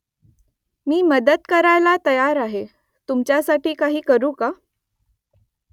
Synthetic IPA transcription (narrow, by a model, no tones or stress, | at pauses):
miːməd̪ət̪kəɾajlat̪əjaɾaɦe | t̪umt͡ɕjasaʈiːkaɦiːkəɾuːka